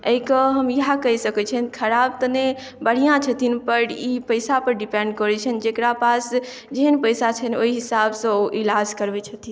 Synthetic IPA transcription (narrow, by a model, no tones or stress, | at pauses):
eikəɦəmjiɦakəisəkɛt͡ʃʰənkʰəɾab̚t̪əne | bəɽ̤ijãt͡ʃʰət̪ʰinpəɾipəjsapəɾɖipẽɳɖkɔɾɛt͡ʃʰənd͡ʒekɾapas | d͡ʒeɦənpəjsat͡ʃʰənoiɦisabsə̃oʔilad͡ʒkəɾbɛt͡ʃʰət̪ʰin